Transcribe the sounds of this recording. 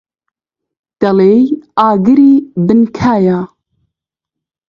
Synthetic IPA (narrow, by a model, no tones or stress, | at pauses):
t̪ɐlejaːɡɨɾiːbɨnkʰaːjaː